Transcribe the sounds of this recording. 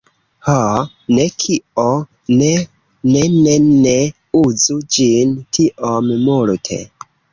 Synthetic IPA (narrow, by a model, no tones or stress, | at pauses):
ho | nekʰio | ne | nenene | uzud͡ʒintʰiʔommultʰḛ